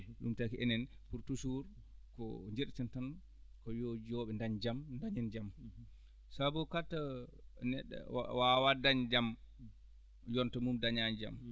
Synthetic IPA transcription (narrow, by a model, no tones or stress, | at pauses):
ɗumtakiʔɛnɛnpuɾtusuɾ | kɔ̰ɲd͡ʒeɾtɛntan | kɔjod͡ʒiɔɓɛndaɲd͡ʒamndaɲand͡ʒam | sabɔkatːanɛɗːɛ̰wawadaɲd͡ʒam | jɔntɔmumdaɲaɲd͡ʒa̰m